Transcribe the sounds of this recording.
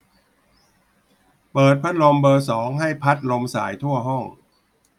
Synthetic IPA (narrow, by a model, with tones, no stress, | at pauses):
pɤː˨˩t̪̚pʰa˦˥t̪̚lo˧mbɤː˧sɔː˩˦ŋɦa˥˩jpʰa˦˥t̪̚lo˧msa̰ː˩˦jt̪ʰu˥˩ɐəɦɔ˥˩ŋ